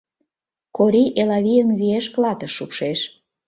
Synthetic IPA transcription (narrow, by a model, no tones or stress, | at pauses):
koɾiʔelɑβijəmβieʃklɑt̪ə̆ʃːupʃeʃ